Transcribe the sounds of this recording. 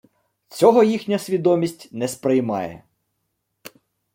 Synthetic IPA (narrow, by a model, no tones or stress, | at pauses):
t͡sʲɔɦɔjixnʲɐsʲʋʲid̪ɔmʲisʲtʲnɛspɾɪjmɑ̰jɛ̰